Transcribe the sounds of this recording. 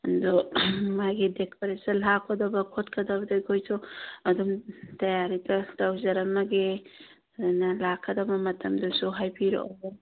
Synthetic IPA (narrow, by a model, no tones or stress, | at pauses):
ɐndɔmajɡidekoɾesɐnlakʰɔdɐbɐkʰotkʰɐdɐbɐdɐjkʰojsʰuɐdumtɐjaɾitɐtawzɐɾɐmɐɡe | danɐlakʰːɐdɐbɐmɐtɐmdɐsuɦajpʰiɾɔ̰ʔɔ̰b